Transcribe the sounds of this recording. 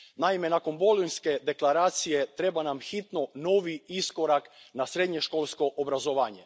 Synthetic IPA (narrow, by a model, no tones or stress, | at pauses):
naimenakonbolujnsked̪eklˠaɾaːt̪sijet̪ɾebanamxit̪nonoʋiiskoɾaknasɾed̪ɲeʃkolˠskoʔobɾazoʋaːɲe